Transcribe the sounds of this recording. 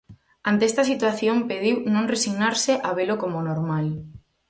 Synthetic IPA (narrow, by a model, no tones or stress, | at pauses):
ant̪eɛst̪asit̪waθjompeðiwnõŋresiɣnaɾseʔaβelokomonoɾmal